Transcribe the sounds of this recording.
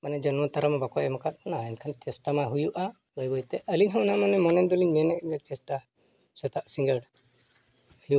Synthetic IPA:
manɛd͡ʒɔnmat̪aɾamabakɔʔɛmɔkat̪̚ˀnaɛnkʰant͡ʃɛsʈamaɦujuʔa | bəjbəjt̪ɛʔəliɲɦəwnamanɛmɔnɛnd̪ɔliɲmɛnɛkɛt͡ʃɛsʈa | sɛt̪aʔsiŋɡəɽ | hju

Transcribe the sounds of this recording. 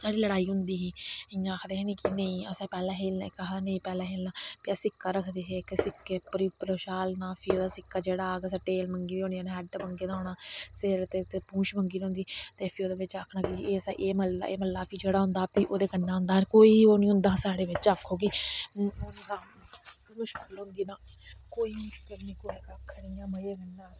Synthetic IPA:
saːɽiːləɽaːiːɦʊnd̪iːiːɪãːkʰd̪eːɦeːniːkinə̃ĩːəsãːpɛːlɛ̃ːɦeːlnaːk̪ːaːnə̃ĩːpɛːlãːɦeːlnaːpɪaːsɪkːaːɾəkʰd̪eːɦeksɪkːeːpəɾiːpəɾoːʃaːlnãːfʰioːd̪aːsɪkːaːd͡ʒeːɽaːɡəs̬ãːʈeːlməŋɡiːɦõːnjaːnãɦɛɖbəŋɡeːd̪aoːɳaːsɪɾt̪eːt̪eːpũːʃbəŋɡiːd̪ɦʊ̃nd̪iːt̪eːpʰɪoːd̪eːʋɪt͡ʃakʰnaːkid͡ʒieːsaʔeːməl̰ḛːməlːaːpʰiːd͡ʒeːɽaːɦʊ̃nd̪aːpiːʔoːd̪eːkənːaːɦʊ̃nd̪aːnkoːiːoːnĩːɦʊ̃nd̪aːsaːɽeːʋɪt͡ʃakʰːoːɡiːoːned̪aː | mʊʃkəlɦʊ̃ŋɡiːnaːkoːiːmʊʃkəlnĩːkoːikakʰəɽiːãːməjeːɡənːaː

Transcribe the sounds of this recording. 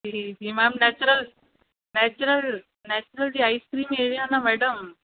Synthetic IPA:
d͡ʑiːd͡ʑiːmɛmnɛt͡ɕuɾəl | nɛt͡ɕuɾəl | nɛt͡ɕuɾəld͡ʑiaiskɾiːmeɾijanamɛɽəm

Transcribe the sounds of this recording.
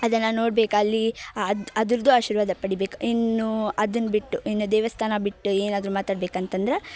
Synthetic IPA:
ɐd̪ɐnːɐno̞ːɽbe̞ːkɐlːiɐɐd̪ɐɾd̪uaːʃiːɾʋaːd̪ɐpɐɽibe̞ːku̥inːuɐd̪ɐnːbiʈːuinːud̪eːʋɐst̪ʰaːnɐbiʈːueːnaːd̪ɾumaːt̪aːɽbeːkɐnt̪ɐnd̪ɐɾe

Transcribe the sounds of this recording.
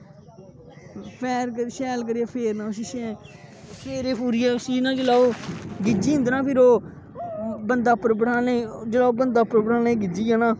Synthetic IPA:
pʰɛːɾkəɾʃɛːlk̬əɾiaːpʰeːɾnãːʊs̬iːʃɛ̃ːʃʰeːɾeːpʰuːɾiːɛːʊsiːnãːd͡ʒəlaːoːɡɪd͡ʒiːɪ̃nd̪nãːpʰɪɾoː | bənd̪aːpːəɾbəɽaːlẽːd͡ʒəlaːoːbənd̪aːpːəɾbəɽʰaːlẽːɡɪd͡ʒiːãːnãː

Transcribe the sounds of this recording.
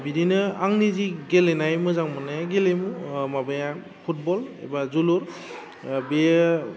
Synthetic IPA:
biɾinɯaŋniziɡelenajmɯzaŋmɯnajaɡelemumabɯja | pʰut̚bɔlḛbazuluɾ | be

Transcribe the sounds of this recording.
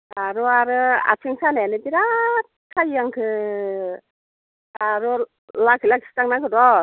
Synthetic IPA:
aɾɔaɾɯa̰t͡ʃʰɯŋsʰanaanɯbiɾa | kʰajːaŋkʰɯ | aɾɔ | lakʰilakʰistaŋnaɡɯdɔ

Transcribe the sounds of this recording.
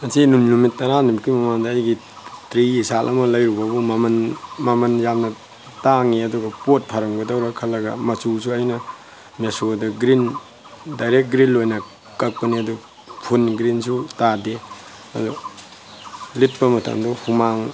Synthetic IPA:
ɐsinumlumit̚ːɐɾanumkimɐmandɐːjɡi | tɾiisalʔɐ̰mɐlɐjɾubɐbumamɐnmɐmɐnjamnɐ | taŋiɐduɡɐpot̚pʰaɾɐŋbɐdɐwɾɐkʰɐlːɐɡɐmɐt͡ʃusuɐjnɐ | mesodɐɡɾin | dajɾek̚ɡɾinlojnɐ | kɐk̚pɐniɐdu | pʰunɡɾinsutadi | ɐ̰du | lit̚pɐmɐtʰɐ̰mduhumaŋ

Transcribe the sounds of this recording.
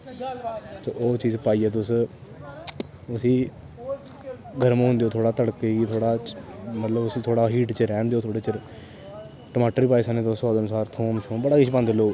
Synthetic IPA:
t̪oːoːt͡ʃiːzpaːiːɛːt̪̬ʊs | ʊsĩː | ɡʱəɾm̃ːɦʊ̃nd̪eːoːt̪ʰoːɽaːt̪əɽkeit̪ʰoːɽaːmət̪ləbʊsĩːt̪ʰoːɽaːɦiːʈt͡ʃɾɛ̃ːnd̪eːoːt̪ʰoːɽeːt͡ʃəɾ | ʈəmaːʈəɾiːpaːiːsaːneːt̪osɔːd̪ənsaːɾt̪ʰoːmt͡ʃʰõːbəɽaːkɪt͡ʃpãːnd̪eːloː

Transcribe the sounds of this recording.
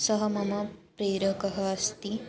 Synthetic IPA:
sɐɦəmɐmɐpɾeːɾəkəɦɐːst̪i

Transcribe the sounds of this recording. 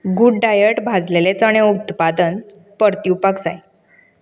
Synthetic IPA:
ɡuɖɖajəʈbʱad͡zlelet͡səɽ̃eut̪pad̪ən | pəɾt̪iupakd͡zaj

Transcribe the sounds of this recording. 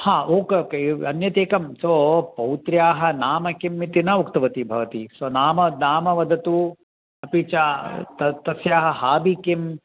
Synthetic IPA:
haːoːkːkeɐnjɐt̪eːkɐmsoːpɐwt̪ɾjaːɦɐ̆naːmɐkimːit̪inɐukt̪ɐʋɐt̪ibʱɐʋɐt̪isonaːmɐnaːmɐʋɐd̪ʱɐt̪u | ɐpit͡ʃat̪ɐt̪ɐsjaːɦɐhaːbikim

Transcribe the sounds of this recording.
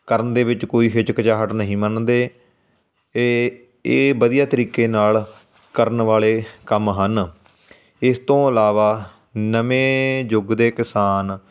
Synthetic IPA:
kəɾənd̪eːʋɪt͡ʃkoːiːɦɪt͡ʃkət͡ʃaːɦəʈnəɦĩːmənd̪eː | eː | eːbəd̪ijaːt̪əɾiːkeːnaːl | kəɾənʋaːleːkəmɦən | ɪst̪õːəlaːʋaː | nəʋẽːd͡ʒʊɡd̪eːkɪsaːn

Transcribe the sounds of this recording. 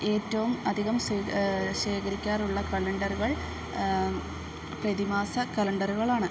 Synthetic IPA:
e̞ːtːɐʋumɐd̪ʱiɣɐmsiːɕeːkɐɾikʲːaːɾuɭːɐkɐlɐɳɖɐruɣɐɭ | prɐðimaːsɐkɐlɐɳɖɐruɣɐɭaːɳɨ

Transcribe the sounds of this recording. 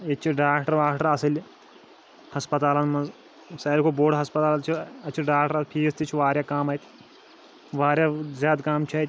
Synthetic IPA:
et͡ʃʰiɖaːkʈəɾʋaːkʈɐɾɐsɐlʲ | hɐspɐt̪aːlɐnmɐz | ɐsaːjlkoboːɽɦɐspɐt̪aːlt͡ʃʰiɐt͡ʃʰiɖaːkʈəɾɐpʰiːst̪it͡ʃʰuʋaːɾʲjaːkaːmɐt̪ʲ | ʋaːɾʲjazjaːd̪kaːmt͡ʃʰɐt̪ʲ

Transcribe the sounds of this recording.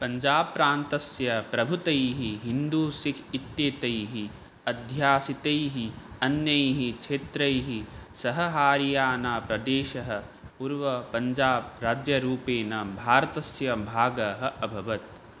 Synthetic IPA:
pɐɲd͡ʒaːpːɾaːnt̪ɐsjɐpɾɐbʱut̪ɐjɦiɦind̪uːsikʰit̪jeːt̪ɐjɦi | ɐd̪ʱjaːsit̪ɐjɦiɐnjɐjɦikt͡ʃʰeːt̪ɾɐjɦisɐɦɐɦaːɾijaːnaːpɾɐd̪eːʃɐɦɐ̆ | puːɾʋɐpɐɲd͡ʒaːb̚ɾaːd͡ʒjɐɾuːpeːnɐbʱaːɾɐt̪ɐsjɐbʱaːɡɐɦɐ̆ʔɐbʱɐʋɐt̪̚

